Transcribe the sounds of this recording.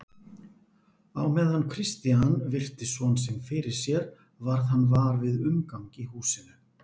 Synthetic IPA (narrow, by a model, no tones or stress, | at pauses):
awmɛðankʰɾɪst̪ianvɪr̥t̪ɪsvɔnsɛmfɪɾɪɾ̥sjɛɾ | vaɾðanːvaɾvɪðʏmkaŋkihuːsɪnʏ